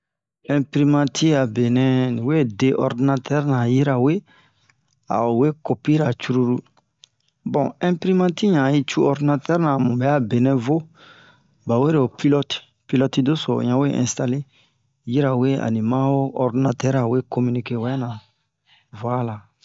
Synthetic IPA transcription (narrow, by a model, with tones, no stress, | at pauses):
ɛ̃˨pɾi˦mã˦tʰi˦a˨be˨nɛ̃˦nĩ˨we˦de˦ʔɔ˨ɾdi˦na˦tʰɛ˦ɾnã˨ji˦ɾa˨we˦ | a̰˨o˨we˦ko˨pi˦ɾa˨t͡ʃu˦ɾu˦ɾu˦ | bɔ̃˨ɛ̃˦pɾi˦mã˦ti˦ɲã˨i˦t͡ʃu˦ɔ˦ɾdi˦na˦tɛ˦ɾnã˨mũ˨bɛ˦a˦be˨nɛ̃˨vo˦ | ba˨we˦ɾe˨o˨pi˦lɔ˦t | pi˦lɔ˦ti˦do˦so̰˨ɲã˨˦we˦ʔɛ̰̃˨sta˨le˦ | ji˦ɾa˨we˦a̰˨nĩ˨mã˦o˦ɔ˨ɾdi˨na˨tɛ˦ɾa˨we˦ko˦mi˦ni˦ke˦wa˦nã˨ | vo˨˦a˦la˨